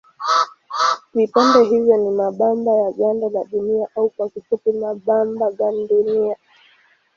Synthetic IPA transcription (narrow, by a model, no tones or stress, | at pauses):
vipandɛɦivjɔnimaɓambajaɠandalaɗuniaʔaukwakifupimaɓambaɠaniɗunia